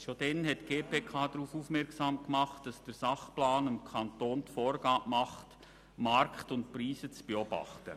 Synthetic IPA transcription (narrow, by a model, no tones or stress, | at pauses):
ʃod̥ɛnɦɛtːɡ̥eːpʰeːkʰɑːdɾuːfuːfmɛɾksɑːmkmɑχtːɑsd̥əɾsɑχplaːnɪmkʰɑntoːntfɔːɾɡ̥ɑːʔmɑχt | mɑɾkχtʊntpriːsət͡sb̥eɔbɑ̰χtə